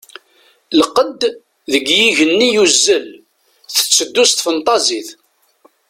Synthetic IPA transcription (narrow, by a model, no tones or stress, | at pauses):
lqəd̪ | ðəɡjiʝənːijuzːəl | θə̥t͡sːəd̪ːust̪fənt̪ˤɑziθ